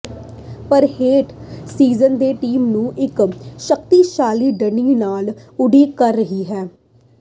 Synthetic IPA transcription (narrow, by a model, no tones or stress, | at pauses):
pəɾheːʈsiːzənd̪eːʈiːmnũːʔɪkʃəkt̪iːʃaːliːɖəɳiːnaːlʊɖiːkəɾːəɦiːɦɛː